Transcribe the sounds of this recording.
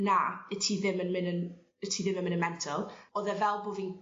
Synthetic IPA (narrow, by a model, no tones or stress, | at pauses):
naətʰiðɪmənmɪnən | ətʰiðɪmənmɪnənmɛntʰəlˠɔːðɛvɛlˠbovin